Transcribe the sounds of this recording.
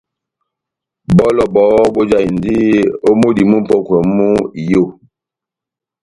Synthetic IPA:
bɔ˦lɔ˨bɔː˨˦bo˦d͡ʒa˦˨i˨n˨di˦o˦mo˦di˨mu˦m̩˦pɔ˦kwɛ˨mu˦i˨jo˦˨

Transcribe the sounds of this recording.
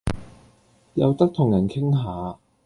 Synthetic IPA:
jɐ˨˧wt̪ɐ˥k̚t̪ʰʊ˨˩ŋjɐ˨˩nkʰɪ˥ŋɦaː˨˧

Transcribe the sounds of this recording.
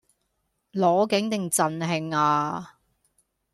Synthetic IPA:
lɔː˨˥kɪ˨˥ŋt̪ɪ˨ŋt͡sɐ˨nɦɪ˨˧ŋaː˧

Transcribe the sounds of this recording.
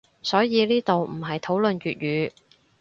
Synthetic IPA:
sɔː˨˥jiː˨˧liː˥t̪o˨wm̩˨˩ɦɐ˨jt̪ʰo˨˥wlɵ˨nɥyː˨t̚ɥyː˨˧˥

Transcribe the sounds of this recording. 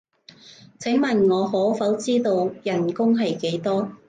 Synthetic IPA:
t͡sʰɪ˨˥ŋmɐ˨nŋɔː˨˧ɦɔː˨˥fɐ˨˥wt͡siː˥t̪o˧wjɐ˨˩nkʊ˥ŋɦɐ˨jke˨˥jt̪ɔː˥

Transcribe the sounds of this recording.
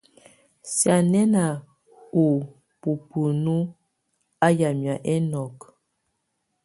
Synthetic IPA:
sja˨nɛ˦na˨ | ho˨ | pu˨pu˨nu˦ | a˦ja˨mja˨ʔɛ˦nɔ˨k

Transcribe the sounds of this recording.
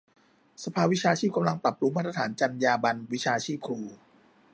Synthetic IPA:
sa˧pʰaː˧wi˦˥t͡ɕʰaː˧t͡ɕʰiː˥˩p̚ka˧mla˧ŋpɾa˨˩p̚ɾu˧˦maː˥˩t̪ɾa˧t̪ʰaː˩˦nt͡ɕa˧njaː˧ba˧nwi˦˥t͡ɕʰaː˧t͡ɕʰiː˥˩p̚kʰɾuː˧

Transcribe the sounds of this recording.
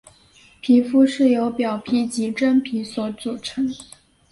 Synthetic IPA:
pʰi˧˥fu˥ʂɻ̩˥˩jo˧˥ʊpjɑ˨˩ʊpʰi˧˥t͡ɕi˧˥ʈ͡ʂə˥npʰi˧˥swɔ˧˥t͡su˨˩ʈ͡ʂʰɤ˧˥˦ŋ

